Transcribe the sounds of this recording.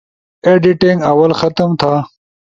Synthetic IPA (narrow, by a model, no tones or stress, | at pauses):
eɖiʈĩŋɡɐwɐlxɐt̪əmt̪ʰaː